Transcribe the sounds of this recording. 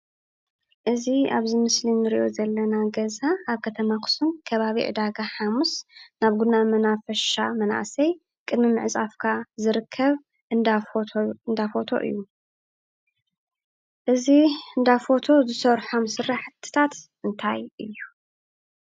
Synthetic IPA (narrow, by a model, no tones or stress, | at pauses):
ʔɨziaβzɨmɨslinɨɾḭʔo̞zɐlːɐnaɡɐzaːβkʰɐt̪ʰɐmakʰɨ̥sunkʰɐβaβḭʕɨ̰d̪aɡaħamusnaβɡunːamɐnafɐʃamɐna̰ʔsɐj | kʼɨd̪mɨmːɨʕɨt͡sʼafkʰazɨɾɨkʰːɐβ | ʔɨnd̪afoɨnd̪afo̞t̪ʰo̞̰ʔɨ̰jːu | ʔɨziɨnd̪afo̞t̪ʰo̞zɨsɐɾħomsɨrːaħt̪ʰːɨ̥t̪ʰat̪ʔɨnt̪ʰajʔɨjːu